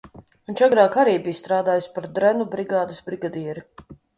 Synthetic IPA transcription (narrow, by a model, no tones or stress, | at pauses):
unt͡ʃaɡɾaːkaɾiːbiːst̪ɾaːd̪aːjaspaɾd̪ɾɛnubɾiɡaːd̪ɐsbɾiɡad̪iɛɾi